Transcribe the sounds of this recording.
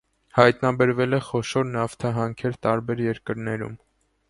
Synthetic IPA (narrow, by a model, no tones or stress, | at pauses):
hɑjt̪nɑbɛɾvɛlɛχɔʃɔɾnɑft̪ʰɑɦɑŋkʰɛɾt̪ɑɾbɛɾjɛɾkəɾnɛɾṵm